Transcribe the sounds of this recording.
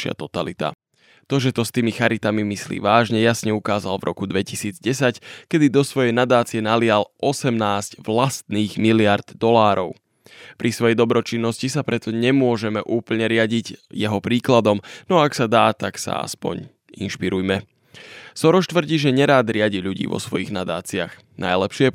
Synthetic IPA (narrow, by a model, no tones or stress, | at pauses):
ʃɪa̰t̪ɔt̪alit̪a̰ | t̪ɔʒɛt̪ɔst̪iːmixaɾit̪amimislḭːʋaːʒɲɛjasɲɛukaːzalvɾʔɔ̰kud̪ʋɛcisiːd͡zɟɛsackɛd̪id̪ɔsʋɔjɛjnad̪aːt͡siɛnalɪalʔɔsɛmnaːzɟʋlast̪niːɣmilɪaɾd̪̥d̪ɔlaːɾɔʊ | pɾʔisʋɔjɛjd̪ɔbɾɔt͡ʃinːɔscisapɾɛt̪ɔɲɛmʊɔʒɛmɛʔuːpl̩ɲɛɾɪaɟiɟjɛɦɔpɾiːklad̪ɔmnɔaksad̪aːt̪aksa̰a̰spɔ̰ɲ | ḭnʃpiɾujmɛ | sɔɾɔʃt̪ʋr̩ɟiːʒɛɲɛɾaːd̪ɾɪaɟilʎuɟḭːʋɔ̰sʋɔjḭɣnad̪aːt͡sia̰x | najlɛpʃɪɛ